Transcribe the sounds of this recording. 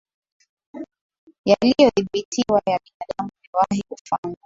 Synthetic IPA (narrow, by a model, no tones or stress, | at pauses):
jalijɔðiɓitiwajaɓinaɗamuniwahiufaŋɡa